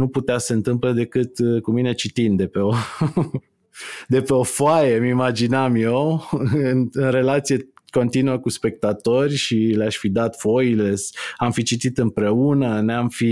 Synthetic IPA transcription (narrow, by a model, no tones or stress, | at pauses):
nuput̪easəɨnt̪ɨmpləd̪e̞kɨt̪kumine̞t͡ʃit̪ind̪e̞pe̞o | d̪e̞pe̞o̞foajemimad͡ʒinamjewɨnɨnɾe̞lat̪sijeko̞nt̪inuəkuspe̞k̚t̪at̪o̞rʲʃileaʃʲfid̪at̪fo̞ilesamfit͡ʃit̪it̪ɨmpɾe̞unəneamfi